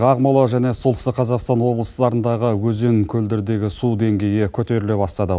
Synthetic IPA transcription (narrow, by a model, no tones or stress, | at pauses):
ɑʁmɑlˠəʒæne̞solˠəst̪əqʰɑzɑqst̪ɑnwo̞blˠəsət̪ɑɾənd̪ɑʁəwɵze̞ŋkʲʰɵld̪eɾd̪e̞ɡʲɪsud̪e̞ŋɡʲe̞jekʲʰɵt̪e̞ɾɪlebɑst̪ɑd̪ə